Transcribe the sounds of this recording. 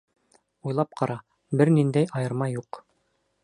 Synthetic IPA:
ujlˠɑp̚qʰɑɾɑ | bɘɾnind̪æjɑjɤ̆ɾmɑjuq

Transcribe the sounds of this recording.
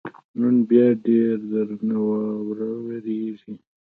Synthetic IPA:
nunbjɑɖeːɾd̪əɾnawawɾaweɾeʐi

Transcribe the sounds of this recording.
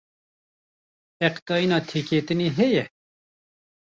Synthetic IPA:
ɛqt̪ɑːinɑːt̪ʰeːkeːt̪ɨniːɦɛjɛ

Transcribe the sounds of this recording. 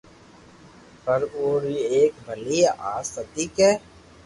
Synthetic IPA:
pəɾoːɾieːkbʱəliʔaːsət̪iːkɛː

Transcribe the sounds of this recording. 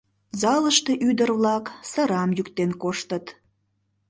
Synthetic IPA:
zɑləʃt̪e̽ʔyd̪ərβlɑksə̆ɾɑmjykt̪enkoʃt̪ət̪

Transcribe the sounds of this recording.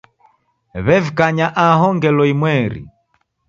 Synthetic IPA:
βɛvikaɲaʔaɦɔŋɡɛlɔimwɛɾḭ

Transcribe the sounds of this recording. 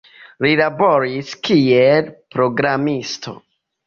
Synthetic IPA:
lilabo̞ɾiskielpɾo̞ɡɾamistʰo̞̰

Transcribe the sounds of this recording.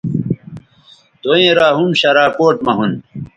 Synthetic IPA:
t̪oẽːɾaːɦumɕɐɾaːkoːʈmɐɦun

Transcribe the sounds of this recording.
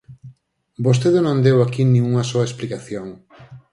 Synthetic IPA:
bost̪eðenõnd̪ewakinĩŋuŋɐsoɐesplikaθjoŋ

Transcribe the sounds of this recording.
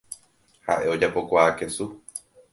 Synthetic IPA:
ha̰ʔe̞o̞d͡ʒapo̞kʷaːke̞su

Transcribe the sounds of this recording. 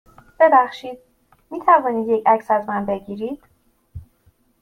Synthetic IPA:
b̥e̞bæxʃiːd̪̥̚ | miːt̪ʰævɒːniːd̪jecʰæcʰsæzmænbe̞ɟiːɾiːd̪̥

